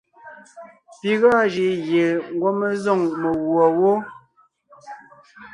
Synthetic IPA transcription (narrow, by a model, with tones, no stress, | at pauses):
pi˨ɣɔ˦˨d͡ʒi˨ɣje˨ŋ˦ɡwo˦me˦zɔ˦˨ŋme˨wwɔ˨wo˦